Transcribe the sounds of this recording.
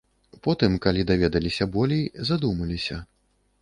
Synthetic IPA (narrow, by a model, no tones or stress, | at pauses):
pɔt̪ɨmkalʲid̪avʲɛd̪ɐlʲisʲɐbɔlʲejzad̪umɐlʲisʲɐ